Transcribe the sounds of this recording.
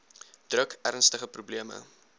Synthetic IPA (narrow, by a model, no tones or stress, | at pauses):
d̥rəkʰæɾnstəχəprubliəmə̰